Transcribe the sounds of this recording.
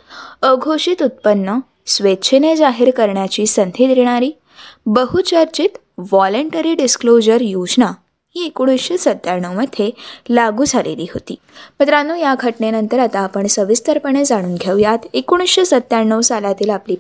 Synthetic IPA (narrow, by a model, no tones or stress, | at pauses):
əɡʱoɕit̪ut̪̚pənːə | sʋett͡ɕʰened͡zaɦiɾkəɾɳjat͡ɕiːsənt̪ʰed̪ɾeɽ̃aɾiː | bəɦut͡ɕəɾt͡ɕit̪ | ʋɔləɳʈəɾiːɖisklod͡ʑəɾjud͡ʑna | ɦiːekoɽ̃isɕesət̪ːjaɳːəwməd̪ʱjelaɡuːd͡zalḛliːɦot̪ḭːmət̪ɾanuːjaɡʱəʈɳenənt̪əɾat̪aːpəɳsəʋist̪əɾpəɳ̃ed͡zaɽ̃uːnɡʱeʋjat̪ekoɽ̃isɕesət̪ːjaɳːəʋsaljat̪iːlapliː